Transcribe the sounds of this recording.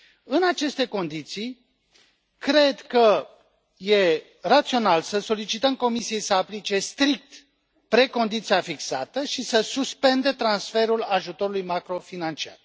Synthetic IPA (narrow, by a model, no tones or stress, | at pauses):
ɨnat͡ʃe̞st̪e̞ko̞nd̪it̪sij | kɾe̞d̪kə | je̞ | rat̪sio̞nalsəso̞lit͡ʃit̪əmko̞misie̞jsəaplit͡ʃe̞st̪ɾik̚t̪ | pɾe̞ko̞nd̪it̪siafiksa̰t̪əʃisəsuspe̞nd̪e̞t̪ɾansfe̞ɾulaʒut̪o̞ɾulujmakɾo̞finant͡ʃia̰r